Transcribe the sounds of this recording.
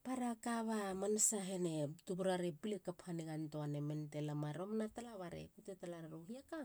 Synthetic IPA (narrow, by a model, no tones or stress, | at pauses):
paɾakaβamansaɦe̞ne̞tubuɾaɾepilekaphaniɡantoanementelamaɾomnatalaβaɾḛkutetalaɾaɾohiaka